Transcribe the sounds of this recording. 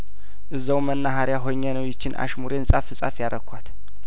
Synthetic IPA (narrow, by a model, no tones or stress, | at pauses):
ʔɨzːəwmənːaɦaɾjaɦoɲːɛnəwjɪt͡ʃːɪnʔa̰ʃmuɾensʼafɨsʼafjaɾʔəkʷʰat̪